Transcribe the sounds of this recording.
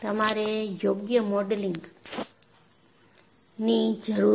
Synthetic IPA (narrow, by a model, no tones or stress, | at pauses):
t̪əmaɾejoɡjəmɔɖliŋɡ | nid͡ʒəɾu